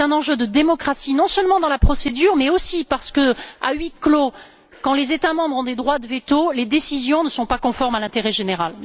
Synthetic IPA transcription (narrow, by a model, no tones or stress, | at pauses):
ɛ̃nɑ̃ʒød̪əd̪emɔkχasinɔ̃sœlmɑ̃d̪ɑ̃lapχɔsed̪yʁmɛosipaʁsə̥kəa̰ɥiklo | kɑ̃lezet̪amɑ̃bʁɔ̃d̪ed̪ʁwad̪əvet̪oled̪esizjɔ̃nəsɔ̃pakɔ̃fɔʁmalɛ̃t̪eʁɛʒeneʁal